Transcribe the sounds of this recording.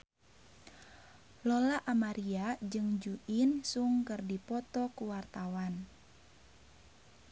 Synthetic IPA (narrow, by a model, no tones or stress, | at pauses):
lɔlaʔamaɾiad͡ʒɨŋd͡ʒuʔinsuŋkɨrdipɔt̪ɔkuwart̪awan